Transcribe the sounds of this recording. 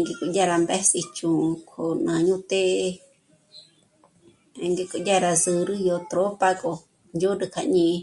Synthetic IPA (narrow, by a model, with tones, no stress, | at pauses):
ŋɡe˧ku˧jʲa˦˧ɾa˧mbɛ˦si˧t͡ʃũ˨˧kʰo˨nã˨ɲũ˦t̪e˦ʔ | ŋɡe˧ku˧jʲa˦ɾa˧sɨ˧ɾɨ˦jo˧t̪ɾo˦pa˧ko˧ | nju˦ɾɨ˧kʰa˧ɲĩ˧